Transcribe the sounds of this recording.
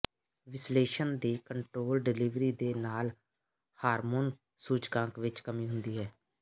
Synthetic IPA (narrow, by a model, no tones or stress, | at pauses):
ʋɪsleːʃənd̪iːkəɳʈɾoːlɖɪliːʋɾiːd̪eːnaːl | haːɾmoːn | suːd͡ʒkãːŋkʋɪt͡ʃkəmĩːɦʊnd̪iːɦɛː